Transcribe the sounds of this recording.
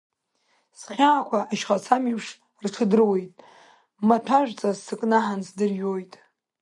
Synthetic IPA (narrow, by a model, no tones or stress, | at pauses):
sχʲaːkʷʰaaʃχat͡sʰamipʰʂ | rʈ͡ʂʰɨdɨrwe̞jtʼ | matʰaʒᶣʷt͡sʼazsɨkʼnaħansdɨrjojtʼ